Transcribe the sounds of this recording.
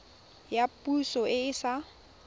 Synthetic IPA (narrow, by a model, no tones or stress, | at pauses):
japʼusɔʔɪɪsa